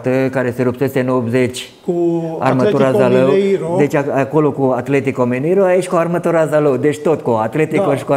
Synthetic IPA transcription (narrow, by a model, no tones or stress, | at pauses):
t̪əkaɾeseɾupsest̪enopzet͡ʃʲ | kua̰rmət̪uɾazaləwd̪et͡ʃʲaakolokuat̪let̪ikomeniɾoajeʃʲkuarmət̪uɾazaləwd̪et͡ʃʲt̪ot̪koat̪let̪ikoʃi̥ku